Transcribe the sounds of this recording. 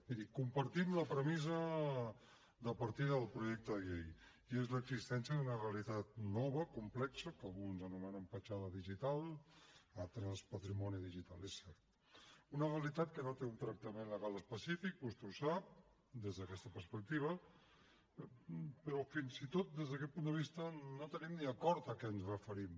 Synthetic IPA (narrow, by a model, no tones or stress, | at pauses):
biðikumpəɾt̪imləpɾəmizə | d̪əpəɾt̪iðəlˠpɾuʒɛk̚t̪əðəʎej | iezləːɡzist̪ɛnsijəðunəreəlit̪at̪̚nɔβəkumplɛksəkəlɣunzənumɛnəmpət͡ʃaðəðiʒit̪alˠ | alˠt̪ɾəspət̪ɾimɔniðiʒit̪alesɛɾt̪ | unəreəlit̪at̪̚kənot̪eunt̪ɾək̚t̪əmenləɣalˠəspəsifik̚bust̪eusap̚ | d̪ezðəkɛst̪əpəɾspək̚t̪iβ̞ə | pəɾɔfinzit̪ot̪̚d̪ezðəkɛt̪̚pund̪əβ̞ist̪ənot̪ənimniəkɔɾt̪əkɛənzrəfəɾim